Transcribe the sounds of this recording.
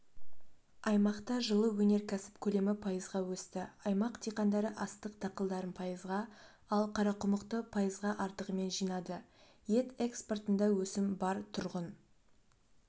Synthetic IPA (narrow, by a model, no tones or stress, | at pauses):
ɑjmɑqt̪ɑʒəlˠəwɵne̞ɾkʲʰæsɪ̥pkʲʰɵle̞mɪpʰɑjəzʁɑwɵst̪ɪɑjmɑqt̪ʰijqɑnd̪ɑɾəʔɑst̪əq̚t̪ʰɑqəlˠd̪ɑɾənpʰɑjəzʁɑ | ɑlˠqʰɑɾɑqʰʊməqt̪əpʰɑjəzʁɑʔɑɾt̪əʁəme̞nʒijnɑd̪ə | je̞t̪e̞ksport̪ənd̪ɑwɵsɪmbɑɾt̪ʰʊɾʁən